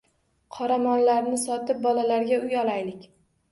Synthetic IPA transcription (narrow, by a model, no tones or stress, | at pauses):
qʰɒɾamɒnlaɾnɪsɒt̪ɪp̚bɒlalaɾɡʲaʊjɒlˠajlɪkʲ